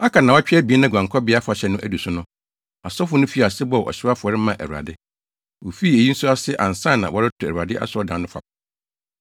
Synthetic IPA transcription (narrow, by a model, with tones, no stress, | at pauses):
a˦kʰa˨nã˨wɔ˦t͡ɕᶣɛ˦bi˨˦ɛ˦nã˦˨ɡʷã˨ŋkʰɔ˦bɪ˨˦a˦fʊ˨a˨ɕɛ˨nʊ̃˦ʔæ˦˨du˨sʊ˦nʊ̃˦ | a˨sɔ˦fʊ˨˦nʊ̃˦fi˦˨a˨sɪ˦bɔ˦˨ʔɔ̰˨ɕɪ˦a˦fʊ˨ɔ˨ɾɪ˦mã˨ʔæ̰˨ɾu˨a̰˨dɪ˦ | wo˨fi˦e˨ji˦n̩˦sʊ˦a˦sɪ˦ʔã̰˨n̩˨sã˦˨nã˨wɔ˦ɾɪ˦tʰʊ˨æ̰˨ɾu˨a˨dɪ˦ʔa̰˦sʊ˨˦ɔ˦dã˨˦nʊ̃˦fa̰˨